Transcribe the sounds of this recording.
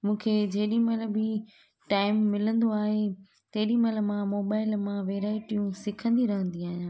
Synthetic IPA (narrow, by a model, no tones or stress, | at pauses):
mũːkʰed͡ʑeːɗĩmɐləbɪ | ʈaːɪmːɪlə̃nd̪oaːɦe | t̪ɐɦɗĩmɐlə̆mãmoːbaːɪlmãʋeːɾaːɪʈijũsɪkʰə̃nd̪iɾɐɦə̃nd̪iaːɦijãː